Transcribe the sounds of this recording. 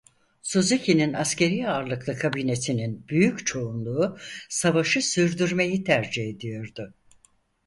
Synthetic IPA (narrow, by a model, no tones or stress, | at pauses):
suzecʰininascʰe̞ɾijaːɾlˠɯklˠɯkʰabine̞sininbyjyct͡ʃʰo̞unlˠuːsavaʃɯsyɾd̪yɾme̞jit̪ʰæɾd͡ʒihe̞d̪ijo̞ɾd̪ʊ